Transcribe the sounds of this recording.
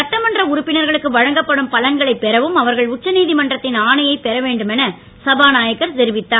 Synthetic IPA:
sɐʈːɐmɐndrɐʊɾʊpːɪnɐɾɣɐɭɯkːɯʋɐɻɐŋɡɐpːɐɽɯmpɐlɐŋɡɐɭɐɪpːɛɾɐʋɯmɐʋɐɾɣɐɭʊt͡ʃːɐniːðimɐndrɐt̪ːɪnaːɳɐjɐɪpɛɾɐʋeːɳɖɯmɛnɐ | sɐbaːnaːjɐkːɐɾt̪ɛɾɪʋɪt̪ːaː

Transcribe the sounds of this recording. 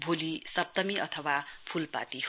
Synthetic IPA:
bʱulisʌp̚t̪ʌmiʌt̪ʰʌwapʰulpa̰t̪iɦ

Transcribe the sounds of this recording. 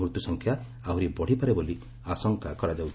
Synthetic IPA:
ɾut̪jusɔŋkʰja | aɦuɾibɔɽ̤ipaɾeboli | asɔŋkakɔɾad͡ʒawt͡ʃʰ

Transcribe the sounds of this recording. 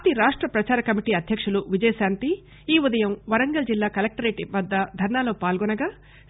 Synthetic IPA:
t̪iɾaːʂʈɾɐpɾɐt͡ʃaːɾɐkɐmiʈiːɐd̪ʱjɐkʂuluʋid͡ʒɐjɐsaːnt̪i | iːud̪ɐjɐmʋɐɾɐŋɡɐld͡ʒilːaːkɐlek̚ʈɐɾeːʈiʋɐd̪ːɐd̪ʱɐɾɳaːlo̞ːpaːlɡɔnɐɡaː

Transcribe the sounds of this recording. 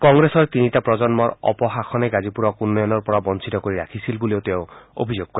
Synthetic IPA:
kɔŋɡɹesɔɹt̪initapɹɔɔnmɔɹɔ̰pɔxaxʰɔneɡazipuɹɔkunːɔjɔnɔɹpɔɹabɔnsʰitɔkoɹiɾakʰisilbuleoteʊo̰bʱizoɡ̚kːoi

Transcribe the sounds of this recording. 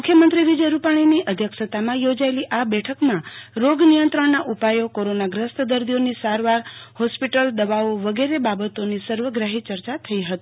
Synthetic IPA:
mmukʰjəmənt̪ɾiʋid͡ʒəjɾupaɽ̃iniʔəd̪ʱjəkʃət̪amãjod͡ʒaeliʔabɛʈʰəkmãɾoɡnijənt̪ɾəɳnaʔupajokoɾonaɡɾəst̪d̪əɾd̪ʱionisaɾʋaɾhɔspiʈəld̪əʋaoʋəɡeɾebabət̪onisəɾʋəɡɾaɦit͡ʃəɾt͡ʃat̪ʰəiɦət̪i̥

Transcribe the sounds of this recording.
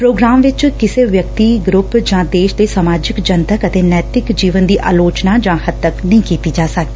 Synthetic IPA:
pɾoːɡɾaːmʋɪt͡ʃkɪseːʋjək̚t̪iɡɾʊpd͡ʒãːd̪eːʃd̪eːsamaːd͡ʒɪkd͡ʒənt̪əkət̪eːnɛːt̪ɪkd͡ʒiːʋənd̪iːʔa̰ːloːt͡ʃnaːd͡ʒãːhət̪ːəknəɦĩːkiːt̪iːd͡ʒaːsəkd̪i

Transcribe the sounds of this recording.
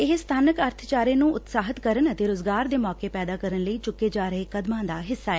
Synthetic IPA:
ɪɦst̪ʰaːnəkəɾt̪ʰt͡ʃaːɾeːnũːʊt̪saːɦət̪kəɾənət̪eːɾoːzɡaːɾd̪eːmɔːkeːpɛːd̪aːkəɾənləiːt͡ʃʊkːeːd͡ʒaːɾəɦekəd̪mãːd̪aːɦɪsːaːɛː

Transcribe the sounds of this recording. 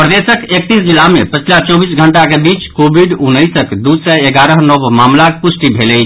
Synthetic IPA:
pɾəd̪esəkekt̪isd͡ʒilːamepət͡ʃʰlat͡ʃɔbisɡʱəɳʈakebit͡ʃkobʱiɖunːəjsəkd̪usɛeɡaɾəɦnɔbmamlakpusʈibʱeləjt͡ʃʰ

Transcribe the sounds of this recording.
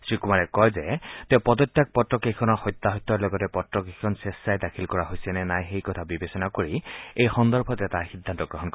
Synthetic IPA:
sɹikumaɹɛkɔjzɛtɛ̃ʊ̃pɔdɔtːak̚pɔtɹɔkekʰɔnɔɹxɔjtːaɦɔjtːɔɹlɔɡɔtɛpɔtɹɔkeikʰɔnsɛsːajdakʰilkɔɹaɦojsɛnɛnajxejkɔtʰabibesɔnakoɹiejxɔndɔɹbʱɔtɛtaxidʱːantɔɡɹɔɦɔnkɔ

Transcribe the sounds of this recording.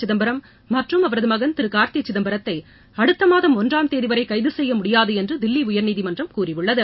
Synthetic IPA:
t͡ʃɪðɐmbɐɾɐmː | ɐʈrɯmɐʋɐɾɐðɯmɐɣɐnt̪ɪɾɯkaːɾt̪it͡ʃːɪðɐmbɐɾɐt̪ːɐɪ | ɐɽɯt̪ːɐmaːðɐmɔndraːmt̪eːðɪʋɐɾɐɪkːɐɪðɯsɛjːɐmʊɽɪjaːðɯɛndrɯd̪ɪlːiʊjɐɾniːðimɐndrɐmkuːriʋɯɭːɐðɯ

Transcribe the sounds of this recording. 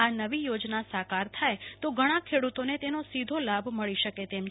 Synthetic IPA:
anəʋijod͡ʒnasakaɾt̪ʰajt̪oɡʱəɽ̃ãkʰeɽut̪onet̪enosid̪ʱolabʱməɭiʃəket̪em

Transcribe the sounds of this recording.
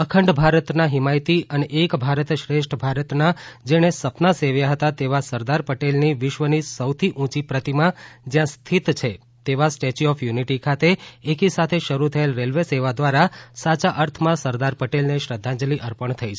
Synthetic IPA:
əkʰəɳɖbʱaɾət̪naɦimajt̪iəneʔekbʱaɾət̪ʃɾeʃʈʰəbʱaɾət̪nad͡ʒeɽ̃esəpnaseʋjaɦət̪at̪eʋasəɾd̪aɾpəʈelniʋɪʃʋənisəwt̪ʰiʔũt͡ʃipɾət̪imãd͡ʒjãst̪ʰit̪t͡ʃʰe | t̪eʋasʈet͡ʃiɔfjuniʈikʰat̪eːkisat̪ʰeʃəɾut̪ʰəelɾelʋeseʋad̪ʋaɾasat͡ʃaʔəɾt̪ʰmãsəɾd̪aɾpəʈelneʃɾəd̪ʱːãɲd͡ʒəliʔəɾpəɳt̪ʰəit͡ʃʰe

